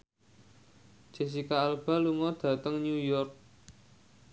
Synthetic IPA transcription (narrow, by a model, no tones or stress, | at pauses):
d͡ʒ̥e̤s̬ikaːlb̥a̤luŋɔd̪̥ä̤t̪əŋɲujɔrk̚